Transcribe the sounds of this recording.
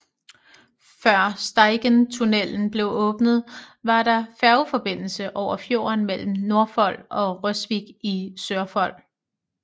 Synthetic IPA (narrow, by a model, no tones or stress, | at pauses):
fɶɐ̰sd̥ɑ̈ɪɡ̥ənt͡sʰunel̰n̩b̥le̝ʊʔɔ̽ːb̥nð̞̩ˠʋɑ̈ɾ̥ɑ̈fæɐʊfɒ̽b̥e̝n̰l̩səʔɒʊ̰ɐfjo̝̰ɐnmel̰m̩no̝ɐfɒ̽l̰ɒ̽ʁœsʋiɡ̥isøɐfɒ̽l̰